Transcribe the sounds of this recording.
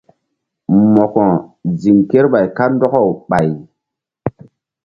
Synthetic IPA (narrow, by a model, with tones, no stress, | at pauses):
mɔ˨kɔ˨d͡zi˨ŋke˦ɾɓa˨jka˦ndɔ˦kɔ˦wɓa˨j